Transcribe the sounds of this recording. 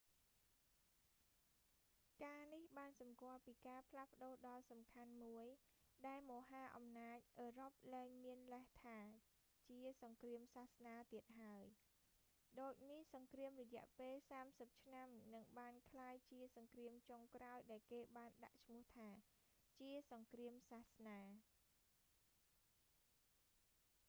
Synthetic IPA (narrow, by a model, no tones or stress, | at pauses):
kaːnihɓaːnsɑmkŏəlpiːkaːpʰlahpə̆ɗoːɗɑlsɑmkʰanmuəj | ɗaɛlmoːɦaːʔɑmnaːc̚ʔəːrop̚ləɛŋmiənləht̪ʰaː | t͡ɕiəsɑŋkriəmsaːhsnaːt̪iət̪̚ɦaəj | ɗoːc̚nihsɑŋkriəmrɔjɛ̆əʔpeːlsaːmsəp̚t͡ɕʰnamnɨŋɓaːnkʰlaːjt͡ɕiəsɑŋkriəmt͡ɕoŋkraɔjɗaɛlkeːɓaːnɗa̰ʔt͡ɕʰmʊ̆əht̪ʰaː | t͡ɕiəsɑŋkriəmsaːhsnaː